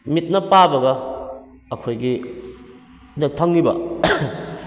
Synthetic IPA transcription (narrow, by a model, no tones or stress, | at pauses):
mit̚nɐpabɐɡɐ | ɐkʰojɡi | nɐt̚pʰɐŋːibɐ̰